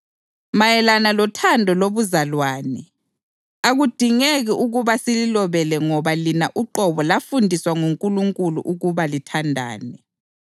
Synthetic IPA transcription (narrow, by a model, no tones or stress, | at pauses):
majɛlanalɔtʰandʱɔloβuzalwaːnɛ | aɣud̥ʱiŋeɣiʔuɣuβasililɔβɛlɛŋɔβalinaʔuǃɔβɔlafundʱiswaŋuŋkʼuluŋkʼulṵʔuɣuβalitʰandʱa̰ːnɛ